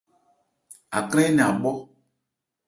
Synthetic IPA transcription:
a˨kl̃ɛ̃˦nĩ˨a˨ɡ͡bɔ˦

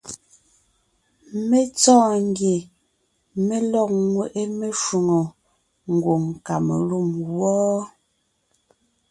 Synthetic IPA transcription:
me˦t͡sɔː˦ŋɡje˨ | me˦lɔ˦˨k̚ŋwe˨ʔe˦me˦ʃu˨ŋo˨ | ŋ̩˨ɡwo˨ŋ˨ka˨me˨lu˦˨mwɔː˦

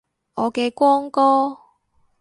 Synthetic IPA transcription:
ɔː˨˧kɛː˧kʷɔː˥ŋkɔː˥

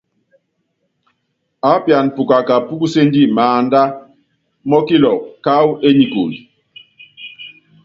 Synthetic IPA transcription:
a˨˦pja˨npu˨ka˨ka˨pu˦ku˦se˦ndi˦maː˨nda˦ | mɔ˦ki˦lɔ˨ka˦we˦ɲi˨ko̰˨li˨

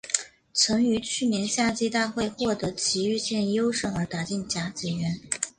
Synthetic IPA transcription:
t͡sʰɤ˧˥ŋy˧˥t͡ɕʰy˥˩njɛ˧˥nɕja˥˧t͡ɕi˥t̪a˥˧xwe˥˧ɪxwɔ˥˩t̪ɤ˧˥t͡ɕʰi˧˥y˥˧ɕjɛ˥˧njo˥ʊʂɤ˥˩ŋə˞˧˥t̪a˨˧˥t͡ɕi˥˩nt͡ɕja˧˥t͡ɕɛ˧˥ɥɛ˧˥n

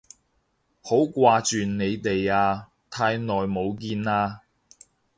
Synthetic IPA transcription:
ho˨˥wkʷaː˧t͡ʃyː˨nne˨˧jt̪e˨jaː˧ | t̪ʰaː˧jnɔː˨jmo˨˧wkiː˧naː˧

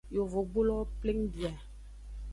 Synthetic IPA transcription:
jo˨vo˨ɡ͡bo˦lɔ˦ple˦ŋ˦ɖi˨a˨

